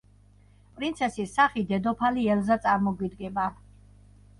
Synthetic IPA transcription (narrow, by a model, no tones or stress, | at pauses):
pʼɾint̪sʰɛsisːaχid̪ɛd̪ɔpʰaliɛlzat̪sʼaɾmɔɡwid̪ɡɛba